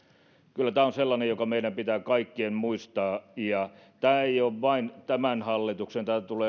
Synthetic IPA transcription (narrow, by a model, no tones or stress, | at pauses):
kylːæt̪æːonselːɑnejokɑmeiɾæmpit̪æːkɑikːiemmuist̪ɑːjɑt̪æːeijoːʋʋɑint̪æmænhɑlːit̪uksent̪æːt̪uleː